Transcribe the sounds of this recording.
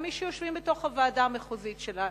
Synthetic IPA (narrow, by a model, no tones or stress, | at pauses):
miʃɛjoʃvimbeto̞χhavaːdameχuzitʃela